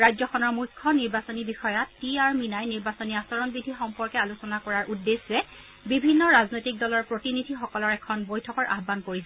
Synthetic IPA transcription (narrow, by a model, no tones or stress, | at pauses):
ɹajzɔxɔnɔɹmujkʰːɔniɹbasonibixɔjatːiaɹminajniɹbasoniasɔɹɔnbidʱixɔmpɔɹkɛalusɔnakɔɹaɹʔudːesɹɛ | bibʱinːɔɹaznojtik̚dɔlɔɹpɹotinidʱixɔkɔlɔɹɛkʰɔnbojtʰɔkɔɹʔa̰xbankoɹiza